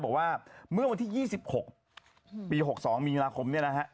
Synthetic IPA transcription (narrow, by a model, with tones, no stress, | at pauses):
bɔː˨˩k̚waː˥˩mɯ˥˩wa˧nt̪ʰiː˥˩jiː˥˩si˨˩p̚ho˨˩k̚ | piː˧ɦo˨˩k̚sɔː˩˦ŋmiː˧laː˧kʰo˧mni˥˩ɐna˦kʰa˦˥ʔ